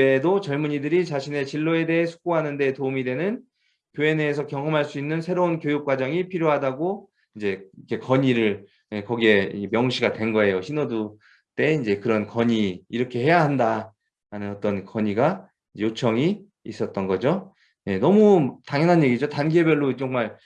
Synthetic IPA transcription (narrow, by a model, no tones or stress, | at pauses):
edot͡ɕʌɭmuɲidɯɾit͡ɕaɕʰine̞t͡ɕiɭːoe̞de̞ɦesʰu̥k͈oɦanɯnde̞toumidwenɯn | kjoe̞ne̞ːs̬ʰʌkjʌŋɦʌmɦaɭs͈uinːɯnsʰe̞ɾounkjojuk̚k͈wad͡ʑʌŋipʰiɾjoɦadaɡo | ind͡ʑe̞ikʰe̞kʌɲiɾɯɭ | ekʌɡie̞mjʌŋɕʰiɡadwe̞nɡʌe̞joɕʰinodu | t͈e̞ind͡ʑe̞kɯɾʌnkʌɲiːɾʌkʰe̞he̞jaɦanda | ɾanɯnʌt͈ʌnkʌɲiɡa | id͡ʑejot͡ɕʰʌŋi | is͈ʌt̚t͈ʌnɡʌd͡ʑo | je̞nʌmutaŋjʌnɦanje̞ɡid͡ʑotanɡe̞bjʌɭːot͡ɕoŋmaɭ